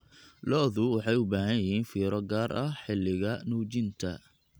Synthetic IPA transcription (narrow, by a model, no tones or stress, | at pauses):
lɔːðʊwɑħɑjʊbaːɦɐjjɪɦiːnfiːɾɔɡaːɾʔɐħɪlːɪɣɐnuːt͡ʃɪnt̪ʰɐ̰